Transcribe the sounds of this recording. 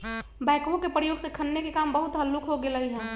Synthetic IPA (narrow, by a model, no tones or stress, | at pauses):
bɛ̃ːkõkepɾəjoːɡsekʰənːekekambəɦʊt̪ɦəlːukɦoɡeləɦiɦɛ̃ː